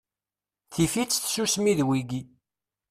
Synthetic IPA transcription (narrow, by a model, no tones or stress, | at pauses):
θifit͡sːθsusmiðwiɡi